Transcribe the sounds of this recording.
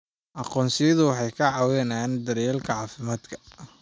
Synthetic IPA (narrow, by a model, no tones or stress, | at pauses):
ʔɑqɔːnsɪjɐðʊwɑħɑjkʰɐʕɑwɛnaːnd̪ɐɾɛːlkʰɐʕɑːfɪmaːd̪kʰɐ̥